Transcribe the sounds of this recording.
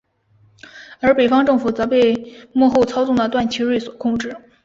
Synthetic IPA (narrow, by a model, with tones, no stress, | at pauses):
ə˞˧˥pe˨˩ɪfɑ˥ŋʈ͡ʂɤ˥˩ŋfu˨˩t͡sɤ˧˥pe˥˧ɪmwɔ˥˧xo˥˧ʊt͡sʰɑ˥ʊt͡sɔ˥˩ŋd̪ə˩t̪wa˥˩nt͡ɕʰi˧˥ɻe˥˩swɔ̥˨˩kʰʊ˥˧ŋʈ͡ʂɻ̩˥˩